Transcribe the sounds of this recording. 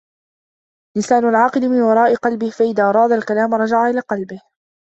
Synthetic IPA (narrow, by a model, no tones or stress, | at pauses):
lɪsaːnʊlʕɑːqɨlɪmɪnwɑɾˤɑːʔɪqɑlbɪhfaʔɪðaːʔɑɾˤɑːd̪alkalaːmɾˤɑd͡ʒaʕaʔɪlaːqɑlbɪh